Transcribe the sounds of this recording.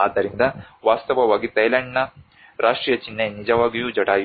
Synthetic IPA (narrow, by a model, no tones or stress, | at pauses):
aːd̪ːɐɾind̪ɐʋaːst̪ɐʋɐʋaːɡit̪ɐjlɐɳɖnɐ | ɾʔaːʂʈɾiːjɐt͡ʃinːenid͡ʒɐʋaːɡijud͡ʒɐʈaːj